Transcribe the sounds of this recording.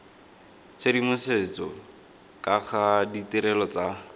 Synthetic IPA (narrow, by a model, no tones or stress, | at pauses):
t͡sʰedimʊsɪt͡sɔ | kʼaχʰaditiɾɛlɔt͡sa